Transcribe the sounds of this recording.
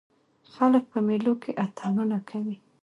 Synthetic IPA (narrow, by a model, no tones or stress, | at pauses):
xalək̚pəmelokʰeʔat̪ʰɑnunakʰawi